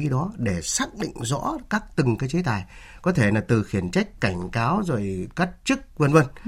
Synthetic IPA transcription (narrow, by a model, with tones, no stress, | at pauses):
i˨˦ɗɔ˨˦ɗe˧˩saː˦˥k̚ɗḭ̈˧˨ŋ̟zɔ̰˧˥kaː˦˥k̚t̪ɨ˨˩ŋkaː˨˦jt͡ɕe˨˦t̪aː˨˩j | kɔ˨˦t̪ʰe˧˩laː˨˩t̪ɨ˨˩xi˧˩ənt͡ɕa˦˥jk̟̚ka˧˩jŋ̟kaː˨˦wzo˨˩jka˦˥k̚t͡ɕɨ˦˥k̚və˧nvə˧n